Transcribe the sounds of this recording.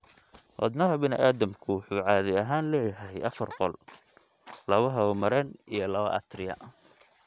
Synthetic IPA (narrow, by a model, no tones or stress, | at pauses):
wɑ̰d̪nɐɦɐbɪnɪʔaːðɐmkʰʊwʊħuːʕɑːðɪɐɦaːnlɛːjɐɦɛjʔɐfɐrqɔl | lɐβɐɦɐɔmɐɾɛnijɞlɐβɐ̰ʔɐ̰t̪ʰrɪjɐ̰